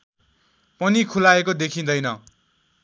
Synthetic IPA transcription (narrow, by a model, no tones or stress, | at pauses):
pʌnikʰulaekod̪ekʰĩnd̪ʌjnʌ